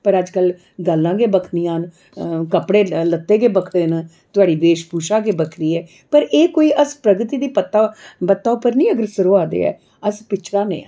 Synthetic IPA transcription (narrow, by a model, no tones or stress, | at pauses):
pəɾəd͡ʒkəl | ɡəlːãːɡeːbəkʰniːãːn | kəpɽeːlət̪ːeːɡeːbəkʰɽeːnãː | t̪ʊaːɖiːbeːʃpuːʃãːɡeːbəkʰɾiːɛː | pəɾʔeːkoːiːʔəspɾəɡɾt̪iːd̪iːpət̪ːaːpət̪ːaːʊpːəɾnĩːəɡəɾsəɾoːaːd̪ḛːɛ̰ː | əspɪt͡ʃʰɾãːnḛ̃ː